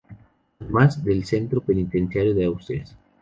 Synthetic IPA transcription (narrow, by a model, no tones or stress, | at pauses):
aðemazd̪elsent̪ɾopenit̪ensjaɾjoðeawst̪ɾias